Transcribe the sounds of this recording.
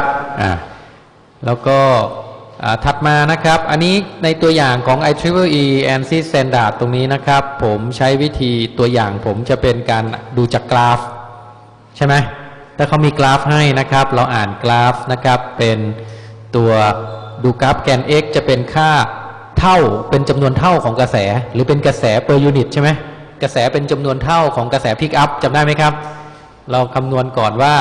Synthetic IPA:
ʔa̰ː˨˩ | lɛː˦˥wkɔː˥˩ʔaː˨˩t̪ʰa˨˩t̪̚maː˧na˦˥kʰɾa˦˥p̚ʔa˧nːiː˦˥na˧jt̪u˧ɐjaː˨˩ŋkʰɔː˩˦ŋʔa˧jt̪ʰɾi˦˥pʰɤ˥˩ʔiː˧ʔɛː˧nsi˥˩t̪ɛː˧ndaː˨˩t̪ːo˧ŋniː˦˥na˦˥kʰɾa˦˥pʰːo˩˦mt͡ɕʰa˦˥jwi˦˥t̪ʰiː˧t̪u˧ɐjaː˨˩ŋpʰo˩˦mt͡ɕa˨˩pe˧nkaː˧nduː˧t͡ɕaː˨˩kːlaː˦˥f | t͡ɕʰa˥˩jma˦˥j | t̪ʰɛː˥˩kʰa˦˥wmiː˧klaː˦˥fɦa˥˩jna˦˥kʰɾa˦˥p̚ɾa˧wʔaː˨˩nklaː˦˥fna˦˥kʰa˦˥pːe˧nt̪u˧ɐduː˧kaː˦˥p̚kɛː˧nʔeː˦˥k̚t͡ɕa˨˩pe˧nkʰaː˥˩ | t̪ʰa˥˩wpe˧nt͡ɕa˧mnu˧ənt̪ʰa˥˩wkʰɔː˩˦ŋka˧sɛː˩˦ɾɯː˩˦˥pe˧nka˧sɛː˩˦pɤː˧juː˧ni˨˩t̪̚t͡ɕʰa˥˩ma˦˥j | ka˧sɛː˩˦pe˧nt͡ɕa˧mnu˧ənt̪ʰa˥˩wkʰɔː˩˦ŋka˧sɛː˩˦pʰi˦˥k̚ʔa˦˥p̚t͡ɕa˧mdaː˥˩ma˦˥jkʰa˦˥p̚ | ɾa˧wkʰa˧mnu˧ənkɔː˨˩nwaː˥˩

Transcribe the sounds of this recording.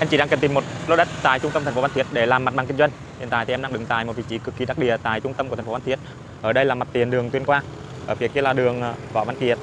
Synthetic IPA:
ʔa˧mt͡ɕḭ˧˩ɗaː˧˥kə˨˩nt̪i˨˩mo˨˩t̚lo˧ɗə˦˥t̚t̪a̰ː˧˨jt͡ɕʊ˧ŋ͡mt̪ə˧mt̪ʰŋ̟fo˧va˧˦t̪ʰət̚ɗe˧˩laː˨˩ma˨˩t̚ɓa˨˩kï˧ŋzwjŋ̟ʰi˨˩ət̪aː˧˨jt̪i˨ɛ˧mɗaː˧ŋɗɨ̰˨˧˩ŋt̪a̰ː˧˨jmo˨˩vḭ˧˨˩t͡ɕi˧˦kɨ˨˩kːi˨˩ɗaː˦˥k̚ɗi˧˩ət̪a̰ː˧˨jt͡ɕʊ˧ŋ͡mt̪ə˧mkt̪ʰfo˧˦a˧nt̪ʰət̚ | ʔəː˧˩ɗə˧jlaː˨˩ma˨˩t̪i˨˩ənɗɨ˨˩əŋt̪wi˧ənkwaː˧ | ʔəː˧˩vi˨˩k̚i˧laː˨˩ɗɨ˨˩əŋː˧vɔ̰˧˨˩vaː˨˧˦nki˧˩ət̚

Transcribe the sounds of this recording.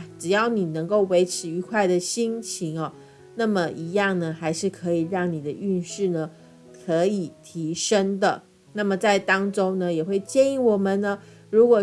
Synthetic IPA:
ʈ͡ʂɻ̩˨˩jɑ˥˩ʊni˨˩nə˧˥ŋko˥˩ʊwe˧˥ɪʈ͡ʂʰɻ̩˧˥y˧˥kʰwa˥˩ɪd̪ə˨ɕi˥ŋt͡ɕʰi˧˥ŋɐ˨ | na˥˩mə˨˩ʔi˧˥jɑ˥˩ŋnə˩xa˧˥ɪʂɻ̩˥˩kʰɤ˧˥i˨˩ɻɑ˥˩ŋni˨˩d̪ə˦y˥˧nʂɻ̩˥˩nə˩ | kʰɤ˧˥i˨˩t̪ʰi˧˥ʂə˥ŋd̪ə˨ | na˥˩mə˨˩t͡sa˥˩ɪt̪ɑ˥ŋʈ͡ʂo˥ŋnə˨jɛ˨˩xwe˥˧ɪt͡ɕjɛ˥˧ŋi˧˥˩wɔ˨˩mə˨˦nnə˧ | ɻu˧˥kwɔ˨˩

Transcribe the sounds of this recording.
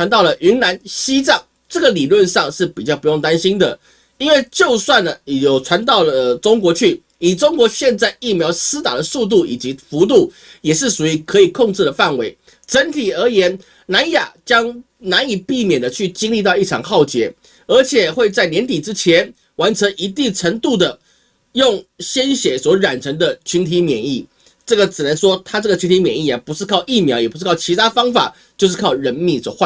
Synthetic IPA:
wa˧˦nt̪ɑ˥˩ʊlə˩ʔy˧˥nna˧˥nɕi˥t͡sɑ˥˩ŋ | ʈ͡ʂɤ˥˩ɡə˨li˨˩lwə˥˧nʂɑ˥˧ŋʂɻ̩˥˩pi˨˩t͡ɕjɑ˥˩ʊpu˧˥jo˥˩ŋt̪a˥nɕi˥nd̪ə˨ | i˥nwe˥˧ɪt͡ɕjo˥˧ʊswa˥˩nə˩˨jo˨˩ʊʈ͡ʂʰwa˧˥nt̪̬ɑ˥˩ʊlə˩ʈ͡ʂo˥ŋkwɔ˧˥t͡ɕʰy˥˩ | i˨˩ʈ͡ʂo˥ŋkwɔ˧˥ɕjɛ˥˧nt͡sa˥˧ɪi˥˩mjɑ˧˥ʊsɹ̩˥t̪a̰˨˩d̪ə˦su˥˧t̪̬u˥˩ḭ˨˩t͡ɕi˧˥fu˧˥t̪̬u˥˩ | jɛ˨˩ʂ̬ɻ̩˥˩su˨˩i˧˥kʰɤ˧˦˥i˨˩kʰo˥˧ŋʈ͡ʂɻ̩˥˩d̪ə˩fa˥˩nwe˧˥ɪ | ʈ͡ʂə˧˥nt̪ʰi˨˩ə˞˧˥jɛ˧˥n | na˧˦˥nja˨˩t͡ɕjɑ˥ŋ | na˧˥ni˨˩pi˥˩mjɛ˨˩nd̪ə˦t͡ɕʰy˥˩t͡ɕi˥ŋli˥˧t̪̬ɑ˥˧ʊi˥˩ʈ͡ʂʰɑ̰˨˩ŋxɑ˥˩ʊt͡ɕjɛ˧˥ | ə˞˧˥t͡ɕʰjɛ˨˩xwe˥˧ɪt͡sa˥˩ɪnjɛ˧˥nt̪i˨˩ʈ͡ʂɻ̩˥t͡ɕʰjɛ˧˥n | wa˧˥nʈ͡ʂʰə˧˥ŋʔi˧˥t̪i˥˩ʈ͡ʂʰə˧˥ŋt̪u˥˩d̪ə˩ | jʊ˥˩ŋɕjɛ˥nɕjɛ˨˩˥swɔ˧˥ɻa˨˩nʈ͡ʂʰə˧˥ŋd̪ə˨t͡ɕʰy˧˥nt̪ʰi˧˥mjɛ˨˩ni˥˩ | ʈ͡ʂɤ˥˩ɡə˩ʈ͡ʂɻ̩˨˩nə˧˦nʂwɔ˥t̪ʰa˥ʈ͡ʂɤ˥˩ɡə˩y˥nt̪ʰi˧˥mjɛ˨˩ni˥˩a˨˩pu˧˥ʂɻ̩˥˧kʰɑ˥˩ʊi˥˩mjɑ˧˥ʊjɛ˨˩pu˧˥ʂ̩˥kʰɑ˥˩ʊt͡ɕʰi˧˥t̪ʰa˥fɑ˥ŋfa̰˨˩ | t͡ɕjo˥˧ʊʂ̬ɻ̩˥˩kʰɑ˥˩ʊɻə˧˥nmi˨˩swɔ̰˨˩xwa˥˩

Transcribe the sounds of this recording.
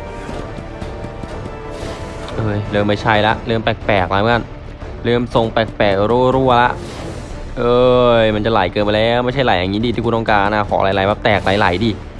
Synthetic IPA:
ʔɤː˧˩jlɤː˧ma˥˩jt͡ɕʰa˦˥˩jla˦˥ʔlɯ˥˩ə˨mpɛ˨˩k̚pɛː˨˩k̚la˧˦˧a˧˥˩n | ɾɯ˥˩əmso˧ŋpɛ˨˩k̚pɛː˨˩k̚ɾuː˥˩ɾuː˥˩əla˦˥ʔ | ʔɤː˧jma˧nt͡ɕa˨˩la˨˩˦jkɤː˧npa˧lɛː˦˥˩wma˥˩jt͡ɕʰa˥˩jla˩˦ja˨ŋiː˦˥di˧iː˥˩kuː˧˦t̪ɔ˥˧kaː˧nʔaː˧˩kʰɔ̰ː˩˦ʔla˧˩˦jla˨˩˦jbaː˦˥p̚t̪ɛː˨˩k̚la˨˩˦jla˨˦jdiː˧˩

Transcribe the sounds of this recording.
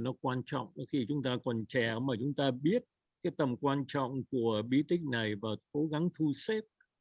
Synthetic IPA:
nɔ˨˦kwaː˧nt͡ɕɔ̰˧˨wŋ͡mxi˧t͡ɕʊ˨˦ŋ͡mt̪aː˧kɔ˨˩nt͡ɕɛ˧˩˨maː˨˩t͡ɕʊ˨˦ŋ͡mt̪aː˧ɓi˦˥ət̚ | kaː˨˦jt̪ə˨˩mkwaː˧nt͡ɕɔ̰˧˨wŋ͡mku˧˩əɓi˧˦t̪ï˦˥ŋ̟na˨˩jvaː˨˩ko˨˦ɣa˨˦ŋt̪ʰu˧se˦˥p̚

